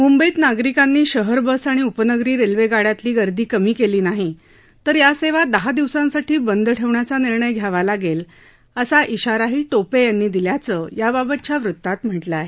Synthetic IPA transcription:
mumbəiːt̪naɡɾikanːiːɕəɦəɾbəsaɽ̃iupənəɡɾiːɾelʋeɡaɽjat̪liːɡəɾd̪ʱiːkəmiːkeliːnaɦi | t̪əɾjaseʋad̪əɦad̪iʋsãnsaʈʰiːbənd̪əʈʰeʋɳjat͡saniɾɳəjɡʱjaʋalaɡel | əsaʔiɕaɾaɦiːʈopejanːiːd̪iljat͡səjababət̪̚t͡ɕjaʋɾut̪ːat̪m̤əʈləaɦe

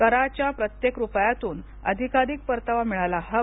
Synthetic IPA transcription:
kəɾat͡ɕjapɾət̪jekɾupəjat̪uːn | ə̰d̪ʱikaɾik̚pəɾt̪aʋamiɭalaɦə

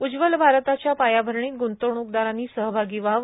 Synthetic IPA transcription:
ud͡ʑʋəlbʱaɾt̪at͡ɕjapajabʱəɾɳiːt̪̚ɡunt̪oɳuk̚d̪aɾanːiːsəɦbʱaɡiːʋaʋ

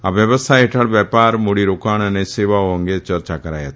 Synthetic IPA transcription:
abjəbəst̪ʰajeʈʰaɽbɛpaɾmoɽiɾokaɳ̃əneseʋaoɔŋɡet͡ʃəɾt͡ʃakəɾa̰jat̪

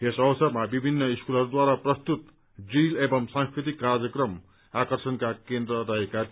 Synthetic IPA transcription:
esʌwsʌrmabibʱinːʌiskulʌɾud̪waɾaprʌst̪ut̪ | d͡zilebʌmsãŋ̃skɾit̪̬ikːard͡zjʌkrʌm | akʌrsʌnkakend̪rʌɾʌɦeka

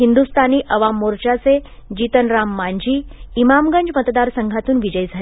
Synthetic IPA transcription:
ɦind̪ust̪ʰaniːʔəʋamːoɾt͡ɕat͡sed͡ʑit̪ənɾamːaɲd͡ʑʱiːimamɡəɲd͡ʑmət̪d̪aɾsəŋɡʱat̪uːnʋid͡ʑəjd͡zʱal

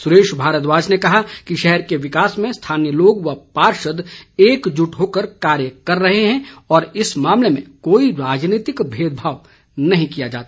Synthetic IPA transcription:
sʊɾeːʃbʱaːɾət̪ʋaːd͡ʒnekɐɦakiʃɛɦɛɾkeʋɪkaːsmẽst̪ʰaːnjəloːɡʋapaːɾʃəd̪eːkd͡ʒʊʈɦoːkəɾkaːɾjəkɐɾːɐɦeɦɛ̃ɔːɾɪsmãːmlemḛ̃koːiɾaːd͡ʒniːt̪ɪkbʱeːd̪bʱaːʋ | nɐɦĩkijad͡ʒa̰ːt̪aː

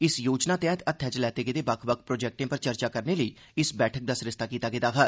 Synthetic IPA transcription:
ɪsjoːd͡ʒnaːt̪ɛːt̪ət̪ʰːɛːt͡ʃəlɛːt̪eːɡed̪eːbəkʰbək̚pɾoːd͡ʒɛːk̚ʈẽːpəɾt͡ʃəɾt͡ʃaːkəɾneːləiː | ɪsbɛːʈʰək̚d̪aːsɾɪst̪aːkiːt̪aːɡɪt̪aːɦa

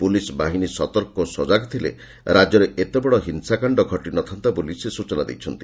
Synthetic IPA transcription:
pulisbaɦinisɔt̪ɔɾkɔsɔd͡ʒaɡt̪ʰilḛ | ɾad͡ʒɔɾeʔet̪ebɔɽɔɦinsakaɳɖɔɡʱɔʈinɔt̪ʰant̪abolisesut͡ʃɔnad̪ḛjt͡ʃʰɔnt̪i̥

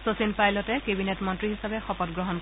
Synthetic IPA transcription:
sosinpajlɔtɛkebinetmɔntɹihisabɛxɔpɔtɡɹɔɦɔnk

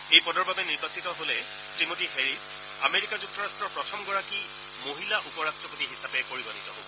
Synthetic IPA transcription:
ejpɔdɔɹbabɛniɹbasitɔɦolɛ | sɹimotiheɹis | ameɹikazuk̚tɔɹastɹɔɹpɹɔtʰɔmɡɔɹaki | moɦilaʔupɔɹastɹɔpotiɦisapɛpoɹibɔnitɔɦobɔ

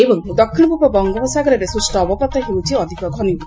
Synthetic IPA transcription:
ebɔŋd̪ɔkʰːiɭɔpupɔbɔŋɡɔbɔsaɡɔɾeɾesusʈɔːbɔpɔt̪ɔɦewt͡ʃʰiɔd̪ʱikɔkʰɔnibu

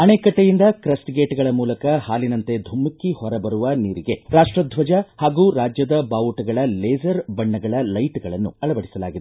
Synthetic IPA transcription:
ɐneːkɐʈːejind̪ɐkɾɐsʈɡeːʈɡɐɭɐmuːlɐkɐhaːlinɐnt̪e̞d̪ʱumːukːihɔɾɐbɐɾuʋɐniːɾiɡe̞ɾaːʂʈɾɐd̪ʱʋɐd͡ʒɐhaːɡuːɾaːd͡ʒjɐd̪ɐbaːʋuʈɐɡɐɭɐleːd͡ʒɐɾbɐɳːɐɡɐɭɐlɐjʈɡɐɭɐnːṵɐɭɐbɐɽisɐla̰ːɡid̪e

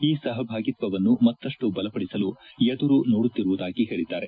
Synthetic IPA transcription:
iːsɐɦɐbʱaːɡit̪ʋɐʋɐnːumɐt̪ːɐʂʈubɐlɐpɐɽisɐlujɛd̪uɾunoːɽut̪ːiɾuʋud̪aːɡiɦe̞ːɭid̪ːaːɾe

